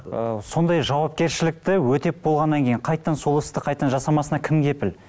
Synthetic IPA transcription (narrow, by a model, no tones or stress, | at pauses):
əso̞nd̪ɑjʒɑwɑp̚kʲe̞ɾʃɪlɪk̚t̪ɪwɵt̪e̞p̚bo̞lˠʁɑnːɑŋkʲʰejɪɴqʰɑjt̪ːɑnsolˠɪst̪əqʰɑjt̪ːənʒɑsɑmɑsənɑkʲʰɪmɡʲe̞pɪl